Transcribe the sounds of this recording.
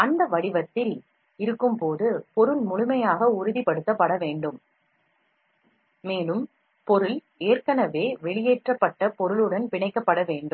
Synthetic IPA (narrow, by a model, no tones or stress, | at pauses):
ɐnd̪ɐʋɐɽɪʋɐt̪ːɪl | ɪɾɯkːɯmpoːðɯpɔɾɯlmʊɻʊmɐjaːɣɐʊɾɯðipɐɽɯt̪ːɐpːɐɽɐʋeːɳɖɯm | eːlɯm | pɔɾɯl | eːrkɐnɐʋeːʋɛɭɪjeːʈrɐpːɐʈːɐpɔɾɯɭɯɽɐnpɪɳɐɪkːɐpːɐɽɐʋeːɳɖɯm